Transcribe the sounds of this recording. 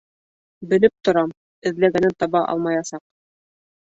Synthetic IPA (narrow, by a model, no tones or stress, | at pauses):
bɘ̆lɘp̚t̪ŏɾɑm | ɘ̆ðlæɡænɘnt̪ɑβɑʔɑ̰lˠmɑjɑsɑq̚